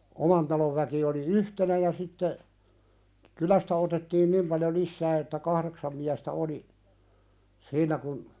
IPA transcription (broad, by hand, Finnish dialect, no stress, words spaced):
omɑn tɑloʋ ʋæki oli yhtenæ jɑ sitːe kylæstæ otetːiːn nim pɑljo lisːæː etːæ kɑhɾeksɑm miæstæ oli siːnˑæ kun